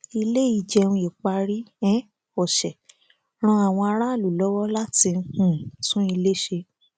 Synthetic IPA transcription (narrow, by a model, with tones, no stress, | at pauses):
i˧le˦i˦˨d͡ʒɛ˧ũ˧e˨k͡pa˧ɾi˦ɛ̃˦ | ɔ˨ʃɛ˨ | ɾ̃ɔ̃˧a˨w̃ɔ̃˧a˧ɾa˦˨lu˨lɔ˦wɔ˦la˦ti˧n̩˧hũ˦˨tũ˦i˧le˦ʃe˧